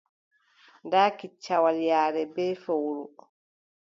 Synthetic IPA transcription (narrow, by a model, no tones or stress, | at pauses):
ndaːkit͡ʃːawaljaːɾɛbɛːfowɾu